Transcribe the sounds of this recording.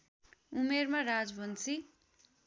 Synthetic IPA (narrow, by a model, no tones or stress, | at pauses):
umermarad͡zbʱʌnt͡si